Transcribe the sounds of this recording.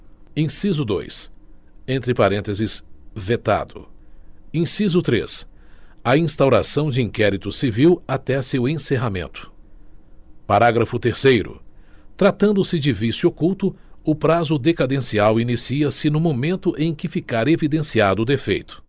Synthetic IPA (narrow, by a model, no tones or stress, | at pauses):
ẽsizʊd̪o̰js | ẽnt̪ɾɪpaɾẽnt̪ezɪsvet̪a̰d̪ʊ̰ | ẽsizʊt̪ɾḛs | ɐĩst̪awɾa̰sɐ̃w̃d͡ʒɪĩŋkɛɾit̪ʊsiviwat̪ɛsewẽseɦamḛ̃nt̪ʊ̥ | paɾaɡɾɐfʊt̪eɾsejɾʊ̰t̪ɾat̪ɐ̃nd̪ʊsɪd͡ʒɪvisuokuwt̪ʊʊpɾazʊd̪ekad̪ẽsiawinisiɐsɪnʊmomẽnt̪ʊʔẽj̃kɪfikaɾevid̪ẽsiad̪ʊd̪efejt̪ʊ̥